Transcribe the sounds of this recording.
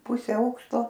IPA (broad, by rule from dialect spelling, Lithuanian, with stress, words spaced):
ˈpʊsʲɛ ˈɐʊkʃtoː